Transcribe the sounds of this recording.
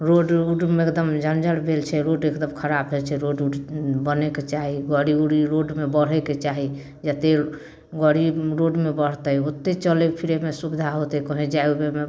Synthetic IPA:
ɾoɖuɖmeekd̪əmd͡ʒʱənd͡ʒəɽbʱelt͡ʃʰɛɾoɖekd̪əmkʰəɾabd͡ʒɛt͡ʃʰɛɾoɖuɖbəneket͡ʃaɦiɡəɽiuɽiɾoɖmebəɽ̤ɛket͡ʃaɦi | d͡ʒət̪e | ɡəɽiɾoɖmebəɽ̤t̪əjot̪ːet͡ʃəlepʰiɾemesubid̪ʱaɦot̪ɛkɔɦẽd͡ʒaeubeme

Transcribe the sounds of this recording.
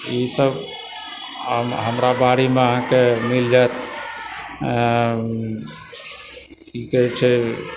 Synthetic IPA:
isəb | əɦəmɾabaɾimeəɦãkemild͡ʒaet̪ | ikət͡ʃʰɛ

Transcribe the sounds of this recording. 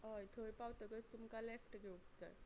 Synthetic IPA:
əjt̪ʰəjpawt̪əɡət͡st̪umkalefʈɡeupd͡za̰j

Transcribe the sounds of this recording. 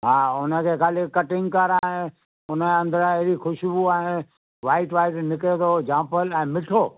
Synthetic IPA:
ɦaːʊnə̆kʰeːkaːlɪkɐʈɪ̃ŋɡkəɾaɛ̃ | ʊnəɐ̃nd̪əɾɐɦɾixʊʃbuaɪ̃ | ʋaːɪʈʋaːɪʈnɪket̪ʰod͡ʑãːpəlɛ̃ːmɪʈʰoː

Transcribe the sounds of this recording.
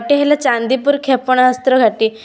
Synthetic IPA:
ʈiɦɛlat͡ɕand̪ipuːɾkʰɛpəɳ̃aɦəst̪ɾəɡʱaʈi

